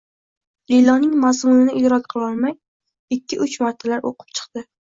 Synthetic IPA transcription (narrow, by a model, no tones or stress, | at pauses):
lilɒnɪŋmazmunɪnɪɪd͡ʒɾɒkʲqʰɨlˠɒɾˠmaj | ɪkʲʰːɪʔʊt͡ʃmaɾt̪ʰalaɾʔo̰qʰɨ̥p̚t͡ʃʰɨ̥qd̪ɪ